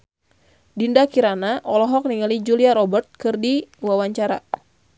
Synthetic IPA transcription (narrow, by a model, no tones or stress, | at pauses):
dindakiɾanaʔɔlɔɦɔk̚niŋalid͡ʒuliaɾɔbərt̪̚kɨrdiwawaɲt͡ʃaɾa̰